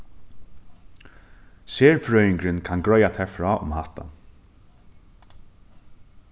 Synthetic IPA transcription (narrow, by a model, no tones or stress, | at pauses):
seːɹfɾœːɥɪŋkɾɪnkʰanɡɹɔːjat̪ʰɛfɹɔːʔʊ̰mhaht̪a̰